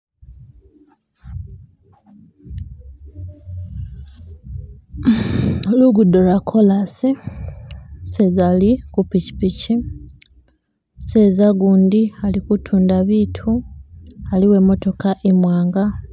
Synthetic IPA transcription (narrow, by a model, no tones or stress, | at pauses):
luɡudo̞ɾakʰolasi | se̞zalikupici̥pici | se̞zaɡuːndialikutʰuːndaβiːtʰu | aliwe̞mo̞to̞kaʔemwaːŋɡa